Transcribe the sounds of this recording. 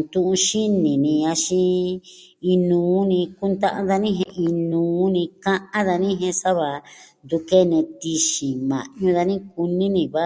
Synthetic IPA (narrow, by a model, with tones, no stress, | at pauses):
t̪ũ˧ʔũ˧ʃi˦nĩ˨nĩ˧a˧ʃĩ˧ | i˧nũː˨˦nĩ˧ku˦nt̪a˦ʔã˧˦ða˧nĩ˦ɦẽ˧ʔi˧nũː˨˦nĩ˧kã˦ʔã˦ða˧nĩ˦ɦẽ˧sa˦βa˨˧nd̪u˧ke˦nẽ˧t̪i˧ʃĩ˨mã̰˨ɲũ˧ða˧nĩ˦k̚u˧nĩ˦nĩ˧βa˦